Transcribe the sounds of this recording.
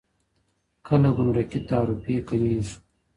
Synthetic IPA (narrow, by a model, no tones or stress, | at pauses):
kʰɐlɐɡumɾɐkit̪aːɾupeːkɐniːzu̥